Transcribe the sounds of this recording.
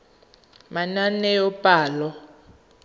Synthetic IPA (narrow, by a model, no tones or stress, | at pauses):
mananɛjɔpʼaːlɔ